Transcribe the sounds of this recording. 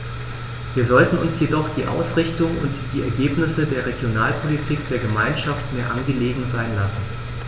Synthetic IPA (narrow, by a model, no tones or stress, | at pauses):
viːɐzɔltn̩ʊnsjedɔχd̥iːʔa̰ʊsʁɪçtʊŋʊntd̥iːɛɐɡeːpnɪsədeːɐʁ̞eɡjonaːlpʰolitʰiːkd̥eːɐɡəmaɪnʃaftmeːɐʔanɡəleːɡŋ̩zaɪnlasn̩